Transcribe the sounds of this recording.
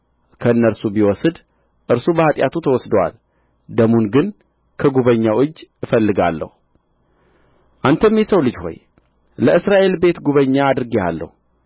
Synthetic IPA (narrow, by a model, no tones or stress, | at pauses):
kʰəɨnːəɾsubiwɔsɨd̪ | ʔɨɾsubəhat̪ʼjat̪ʰut̪ʰəwɔsd̪əwa̰l | d̪əmunɡɨn | kʰəɡuβəɲːawɨd͡ʒːɨfəlːɨɡa̰lːə̰hu | ʔant̪ʰəmjɛsəwlɨd͡ʒho̞̰j | ləɨsɾaʔe̞lbe̞t̪ɡuβəɲːaːd̪ɾɨɡia̰lːə̰hu